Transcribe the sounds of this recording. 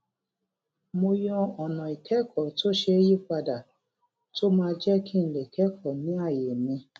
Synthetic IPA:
mo˧jɔ˧ɔ˨nɔ̃˨i˨kʰɛ˦kʰɔ˨to˦ʃe˧e˦ji˦k͡pa˧da˨ | to˦mãː˦˧˦d͡ʒɛ˦kʰi˦n̩˦˨le˨kɛ˦kʰɔ˨nĩ˨˦a˦˨je˨mĩ˧

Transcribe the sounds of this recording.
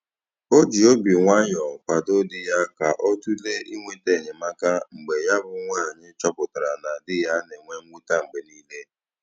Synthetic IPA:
o˦d͡ʒi˨o˦bi˨ŋʷa˦ɲɔ˨kʷa˨do˦dɪ˦ja˦ka˨ʔɔ˦tu˦le˦ʔi˦ŋʷe˦te˦˨ɲɪ˨ma˦ka˦ŋ͡m̩˨ɡ͡be˨ja˦bʊ˦ŋʷaː˦˨ɲɪ˦t͡ʃɔ˦pʊ˨ta˨ɾa˨na˨dɪ˦ja˦ne˨ŋʷe˦ŋ̩˦ɡ͡bu˦ta˦ŋ͡m̩˨ɡ͡be˨niː˦le˦

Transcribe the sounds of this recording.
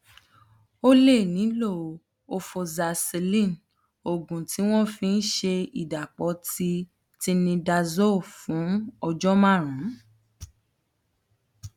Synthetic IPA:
o˦le˦˨nĩ˨˦lo˦˨ | o˧fo˧za˧se˧lĩ˦˨n | o˨ɡũ˨tʰi˨˦w̃ɔ̃˦fĩ˦˧n̩˦ʃe˧i˨da˨k͡pɔ˨˧˦ti˧ | ti˧nĩ˧da˧zo˦˨fũ˨˦ɔ˧d͡ʒɔ˦mã˦˨ɾ̃ũ˨˦

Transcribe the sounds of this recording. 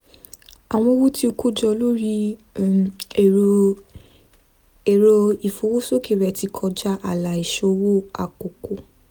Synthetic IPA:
a˨w̃ɔ̃˧wo˦ti˧˦o˧ku˦d͡ʒɔ˧lo˦ɾi˦˨ | e˨ɾo˧i˨fo˨˦wo˦so˦ke˨ɾɛ˨˧ti˧kʰɔ˧d͡ʒa˧ʔa˨la˨i˨ʃo˧wo˦a̰˨ko˨ko˨

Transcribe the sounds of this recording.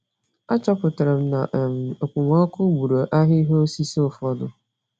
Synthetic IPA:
a˦t͡ʃɔ˦pʊ˨tɾɪ˨m̩˦na˨ʔm˨o˨kʷu˨ŋɔ˦kʰʊ˦ɡ͡bu˨ɾo˨ʔa˦ɦɪ˦ɦo˦si˦so˦˨fɔ˦dʊ˨

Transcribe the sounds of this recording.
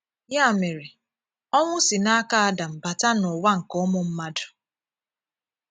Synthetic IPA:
ja˦˨me˨ɾe˨ | ɔ˦ŋʷʊ˦si˨na˦ka˦a˦da˨m̩˨ba˨ta˦nʊ˨wa˦ŋ̩˨kɔ˦mʊ˦m̩˦ma˦dʊ̥˨

